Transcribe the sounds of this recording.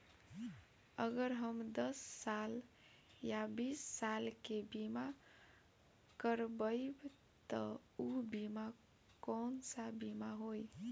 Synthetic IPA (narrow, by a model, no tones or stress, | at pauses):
əɡəɾɦəmd̪əsːal | jabisːalkebima | kəɾbəɪb | t̪əubima | kɔnsabimaɦoj